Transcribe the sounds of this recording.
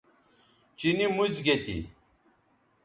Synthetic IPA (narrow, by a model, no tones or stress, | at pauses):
t͡ɕinimud͡ʑɡet̪ḭ